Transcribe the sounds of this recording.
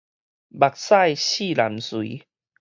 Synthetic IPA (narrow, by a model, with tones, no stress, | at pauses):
ba˨˩k̚sa˥˧˨jɕi˥˧˨la˨˦mswḭ˨˦